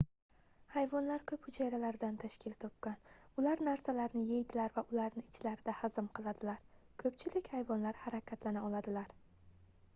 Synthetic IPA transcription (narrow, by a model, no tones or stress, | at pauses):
hajvɒnlaɾkʲʰɵphʊt͡ʃʰajɾalaɾd̪ant̪ʰaʃkʲɪlt̪ʰɒp̚kʲanʊlaɾnaɾsalaɾnɪjejd̪ɪlaɾvaʔʊlaɾnɪɪt͡ʃʰlaɾɪd̪ahazɪmqʰɨlˠad̪ɪlaɾ | kʰɵp̚t͡ʃʰɪlɪkʲhajvɒnlaɾhaɾakʲʰat̪lanaɒlˠad̪ɪlaɾ